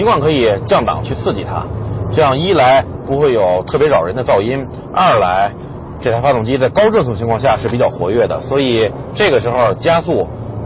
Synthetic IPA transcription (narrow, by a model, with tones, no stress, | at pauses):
i˧˥ŋkʰwŋkʰɤ˧˥i˨˩t͡ɕjɑ˥˩ŋt̪ɑ̰˨˩˦ŋt͡ɕʰy˥˧t͡sʰɹ̩˥˩t͡ɕḭ˨˩t̪ʰa̰˥ʈ͡ʂɤ˥˧jɑ˥˩ŋi˥la˧˥ɪ | pu˧˥xwe˥˩ɪjo˨˩ʊt̪ʰɤ˥˩p̬jɛ˧˥ɻɑ˨˩ʊɻə˧˥nd̪ə˧t͡sɑ˥˩ʊi˥n | ɐ˞˥˧˩la˧˥ɪ | ʈ͡ʂɤ˥˩t̪ʰa˥fa˥t̪ʊ˥˨˩ŋt͡ɕi˥t͡sa˥˩ɪkɑ˥ʊʈ͡ʂŋt̪ʰʊ˧˩t͡ɕʰi˧ŋkʰwɑ˥˧ŋɕja˥˧˩ʂɻ̩˥˩pi˨˩t͡ɕjɑ˥˩ʊxwɔ̰˧˥ɥɛ˥˩d̪ə̰˩swɔ˧˥i˨˩ | ʈ͡ʂɤ˥˩ɡə˩ʂɻ̩˧˥xo˥˧ʊt͡ɕja˥su˥˩